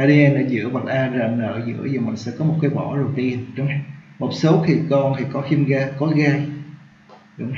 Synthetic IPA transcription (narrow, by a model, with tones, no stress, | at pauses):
aː˧˩ɗi˧ʔɛ˧na̰ː˧˩zɨ̰˧˥əɓa˨˩t̚ʔaː˧zaː˨˩mnə̰ː˧˨zɨ̰˧˥əzɔː˨˩mï˨˩ŋ̟sɛ̰˧˥kɔ˨˦mo˨˩t̚kaː˨˦jɓɔ̰˧˩zo˨˩jt̪i˧ə˨˩nɗʊ˨˦ŋ͡mmo˨˩t̚so˨˦wxʰi˨˩kɔ˧nt̪ʰi˨˩kɔ˨˦xi˧mɣaː˧kɔ˨˦ɣaː˧ | ɗʊ̰˧˥ŋ͡m